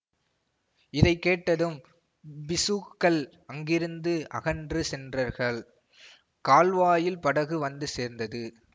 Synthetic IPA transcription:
ɪðɐɪkːeːʈːɐðɯm | bɪsuːkːɐɭ | ɐŋɡɪɾɯnd̪ɯʔɐ̰ɣɐndrɯsɛndrɐɾɣɐɭ | kaːlʋaːjɪlpɐɽɐɣɯʋɐnd̪ɯseːɾnd̪ɐðɯ

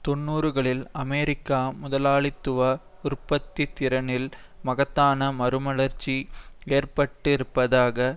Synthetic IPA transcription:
t̪ɔɳːuːɾɯɣɐɭɪlɐmeːɾɪkːaːmʊðɐlaːɭɪt̪ːɯʋɐ | ʊrpɐt̪ːit̪ːɪɾɐnɪl | mɐɣɐt̪ːaːnɐmɐɾɯmɐɭɐɾt͡ʃːieːɾpɐʈːɪɾɯpːɐðaːɣɐ

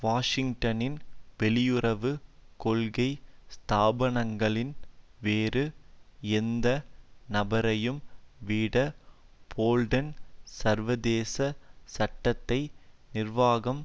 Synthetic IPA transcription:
ʋaːʂɪŋɡʈɐnɪnʋɛlɪjʊrɐʋɯkɔɭɣɐɪst̪aːbɐɳɐŋɡɐɭɪnʋeːɾɯɛnd̪ɐnɐbɐɾɐjɯmʋiːɽɐ | b̥ʰoːlɖɐnsɐɾʋɐðeːsɐsɐʈːɐt̪ːɐɪnɪrʋaːɣɐm

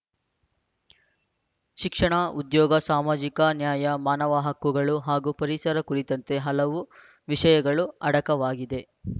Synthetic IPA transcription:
ʃikʂɐɳɐud̪jɔːɡɐsaːmaːd͡ʒikɐnjaːjɐmaːnɐʋaɦɐkːuɡɐɭuɦaːɡupɐɾisɐɾɐkuɾit̪ɐnt̪e̞ɦɐlɐʋu | ʋiʂɐjɐɡɐɭuɐɽɐkɐʋaːɡid̪e̞

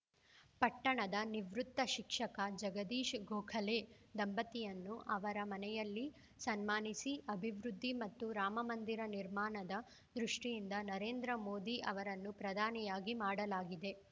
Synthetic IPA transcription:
pɐʈːɐɳɐd̪ɐniʋɾut̪ːɐʃikʂɐkɐd͡ʒɐɡɐd̪iːʃɡoːkʰɐle | d̪ɐmbɐt̪ijɐnːuʔɐʋɐɾɐmɐnɛjɐlːi | sɐnmaːnisiʔɐbʱiʋɾud̪ʱːimɐt̪ːuɾaːmɐmɐnd̪iɾɐniɾmaːɳɐd̪ɐ | d̪ɾuʂʈijind̪ɐnɐɾe̞ːnd̪ɾɐmoːd̪iʔɐ̰ʋɐɾɐnːupɾɐd̪ʱaːnijaːɡimaːɽɐlaːɡid̪e̞

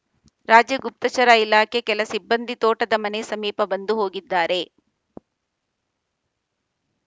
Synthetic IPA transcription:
ɾaːd͡ʒjɐɡup̚t̪ɐt͡ʃɐɾɐilaːkʰekɛlɐsibːɐnd̪ʱit̪oːʈɐd̪ɐmɐne̞sɐmiːpɐbɐnd̪uɦo̞ːɡid̪ːaːɾe̞

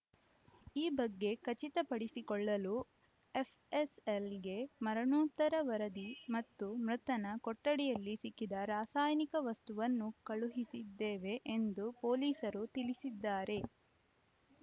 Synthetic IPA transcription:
iːbɐɡːe̞kɐt͡ʃit̪ɐpɐɽisikɔɭːɐlu | epʰeselɡe̞mɐɾɐɳoːt̪ːɐɾɐʋɐɾɐd̪imɐt̪ːumɾɐt̪ɐnɐkɔʈːɐɽɛjɐlːisikːid̪ɐɾaːsaːjnikɐʋɐst̪uʋɐnːukɐɭuɦisid̪ːeːʋe̞ʔend̪upo̞ːliːsɐɾut̪ilisid̪ːaːɾe̞

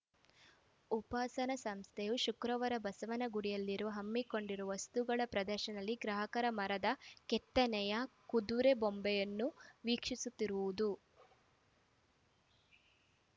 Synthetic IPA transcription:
upaːsɐnɐsɐmst̪ʰɛjuʃukɾɐʋɐɾɐbɐsɐʋɐnɐɡuɽijɐlːiɾuʋɐɦɐmːiko̞ɳɖiɾuʋɐst̪uɡɐɭɐpɾɐd̪ɐɾʃɐnɐlːiɡɾaːɦɐkɐɾɐmɐɾɐd̪ɐkɛt̪ːɐnɛjɐkud̪uɾebombɛjɐnːuʋiːkʂisut̪ːiɾuʋud̪u

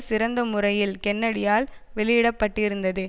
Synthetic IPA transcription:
sɪɾɐnd̪ɐmʊrɐjɪlkɛnːɐɽɪjaːl | ʋɛɭɪjɪɽɐpːɐʈːɪɾɯnd̪ɐðɯ

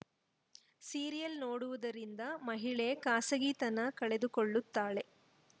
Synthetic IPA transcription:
siːɾijɐlnoːɽuʋud̪ɐɾind̪ɐmɐɦiɭekaːsɐɡiːt̪ɐnːɐkɐɭed̪ukoɭːut̪ːaːɭe̞

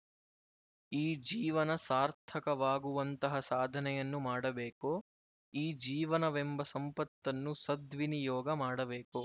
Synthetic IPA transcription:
iːd͡ʒiːʋɐnɐsaːɾt̪ʰɐkɐʋaːɡuʋɐnt̪ɐɦɐsaːd̪ʱɐnɛjɐnːumaːɽɐbeːko | iːd͡ʒiːʋɐnɐʋembɐsɐmpɐt̪ːɐnːusɐd̪ʋinijɔːɡɐmaːɽɐbeːko

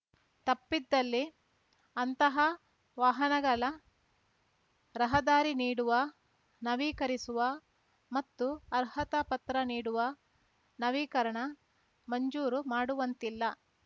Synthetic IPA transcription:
t̪ɐpːid̪ːɐlːi | ɐnt̪ɐɦɐ | ʋaːɦɐnɐɡɐlɐ | ɾɐɦɐd̪aːɾiniːɽuʋɐ | nɐʋiːkɐɾisuʋɐ | mɐt̪ːuɐɾhɐt̪ɐpɐt̪ɾɐniːɽuʋɐ | nɐʋiːkɐɾɐɳɐ | mɐɲd͡ʒuːɾumaːɽuʋɐnt̪ilːɐ

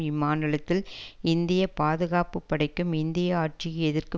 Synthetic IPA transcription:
ɪmaːnɪlɐt̪ːɪlɪnd̪ɪjɐpaːðɯɣaːpɯpːɐɽɐɪkːɯmɪnd̪ɪjɐaːʈ̚t͡ʃiɛðɪrkɯ

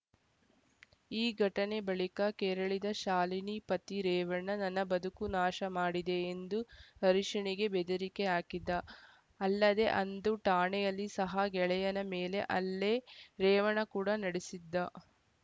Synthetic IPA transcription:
iːɡʱɐʈɐne̞bɐɭikɐkɛɾɐɭid̪ɐʃaːlinipɐt̪iɾɛːʋɐɳɐnɐnːɐbɐd̪ʱukunaːʃɐmaːɽid̪e̞ːnd̪uɐɾiʂɐɳiɡe̞bed̪ɐɾikeaːkid̪ːɐ | ɐlːɐd̪e̞ʔɐnd̪uʈaːɳɛjɐlːisɐɦɐɡɛɭɛjɐnɐmeːle̞ʔɐlːeɾɛːʋɐɳɐkuːɽɐnɐɽisid̪ːɐ

